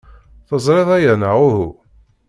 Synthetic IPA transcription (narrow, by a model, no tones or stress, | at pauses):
θəzˤɾeðˤæjənaʁʊhu